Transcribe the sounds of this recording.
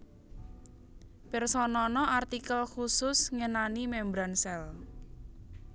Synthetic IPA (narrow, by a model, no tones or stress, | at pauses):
pɛrsɔnɔnɔʔart̪ikəlxusʊsŋənanimɛmbɾansɛl